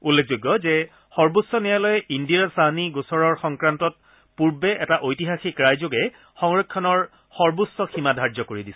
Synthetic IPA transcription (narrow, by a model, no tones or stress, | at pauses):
ulːek̚ʰzojɡːɔzɛ | xɔɹbʊsːɔnijalɔjɛʔindiasaɦniɡosɔɹɔɹxɔŋkɹantɔt̚ | puɹbɛʔɛtaʔojtiɦaxikɹajzoɡɛ | xɔŋɹekʰːɔnɔɹ | xɔɹbusːɔxʰimadʱaɹzɔkoɹidisɛ